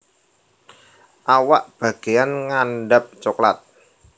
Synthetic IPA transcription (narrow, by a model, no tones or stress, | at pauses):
ʔawaʔb̥a̤ɡ̥e̤janŋanɖap̚t͡ʃoklat̪̚